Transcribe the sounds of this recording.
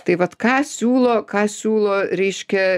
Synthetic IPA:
t̪ɐɪʋɐt̪kɑːsʲuːlˠoːkɑːsʲuːlˠoːɾʲɛɪʃʲkʲɛ

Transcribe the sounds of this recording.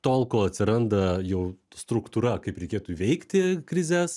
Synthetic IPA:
t̪oːlˠkoːɐt̪ʲsʲɪɾɐnd̪ɐjɛʊst̪ɾʊkt̪uːɾɐkɐɪpɾʲɛɪkʲeːt̪uːiʋʲɛɪkt̪ʲɪkɾʲɪzʲæːs

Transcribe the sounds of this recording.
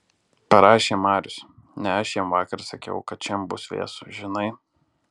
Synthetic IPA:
pɐɾɑːʃʲeːmɑːɾʲʊsnʲɛɐʃʲjɛmʋɑːkɐɾsɐkʲɛ̰ʊkɐt̪̚t͡ʃʲɛmbʊsʋʲḛːsʊʒʲɪnɐɪ

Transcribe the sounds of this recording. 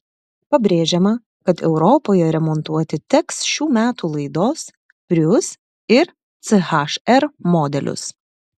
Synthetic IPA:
pɐbʲɾʲeːʒʲɛmɐ | kɐt̪ɛʊɾɔpoːjɛɾʲɛmɔnt̪uɔt̪ʲɪt̪ʲɛksʃʲuːmʲæːt̪uːlˠɐɪd̪oːs | pʲɾʲʊs | ɪɾ | t̪sɛxɐʃɛɾmoːd̪ʲɛlʲʊ̰s

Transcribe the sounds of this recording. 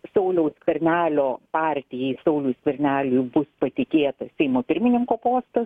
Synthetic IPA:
sɐʊlʲɛʊsʲkʋʲɐɾʲnʲæːlʲoːpɑːɾʲt̪ʲɪjɛɪsɐʊlʲuskʋʲɐɾʲnʲæːlʲʊjbʊspɐt̪ʲɪkʲeːt̪ɐsʲɛɪmoːpʲɪɾʲmʲɪnʲɪŋkoːpoːst̪ɐs

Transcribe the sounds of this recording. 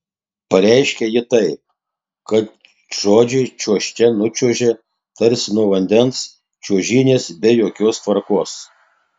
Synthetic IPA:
pɐɾʲæɪʃʲkʲɛjɪt̪ɐɪp̚ | kɐt̪ | ʒ̥oːd͡ʒʲɛɪt͡ʃʲuɔʃʲt͡ʃʲɛnʊt͡ʃʲuɔʒʲɛ | t̪ɐɾʲsʲnuɔʋɐnʲd̪ʲɛns | t͡ʃʲuɔʒʲiːnʲeːsbʲɛjoːkʲoːst̪ʋɐɾkoːs

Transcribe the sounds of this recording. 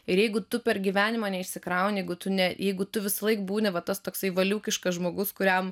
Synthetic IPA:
ɪɾjɛɪɡʊt̪ʊpʲɛrɡʲiːʋʲæːnʲɪmɐːnʲɛɪʃʲsʲɪkɾɑˑʊnʲjɛɪɡʊt̪ʊnʲɛjɛɪɡʊt̪ʊʋʲɪsɐlˠɐɪkbuːnʲɪʋɐt̪ɐst̪oːksɐɪʋɐlʲuːkʲɪʃkɐsʒmoːɡʊskʊɾʲɛm

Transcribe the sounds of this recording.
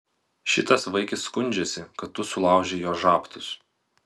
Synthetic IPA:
ʃʲɪt̪ɐsʋɐɪkʲɪsːkʊnʲd͡ʒʲɛsʲɪkɐt̪ːʊsʊlˠɑˑʊʒʲejoːʒɑːpt̪ʲʊs

